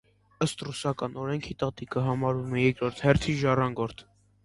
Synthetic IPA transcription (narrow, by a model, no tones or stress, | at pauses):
əst̪rusɑkɑnɔɾɛŋkʰit̪ɑt̪ikəɦɑmɑɾumɛjɛkɾɔɾt̪ʰhɛɾt̪ʰiʒɑrɑŋɡɔɾt̪ʰ